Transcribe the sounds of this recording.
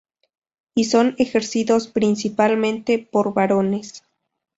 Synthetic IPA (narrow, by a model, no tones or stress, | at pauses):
iso̞nexe̞ɾsiðo̞spɾinsipalmẽ̞nt̪epo̞ɾβaɾo̞ne̞s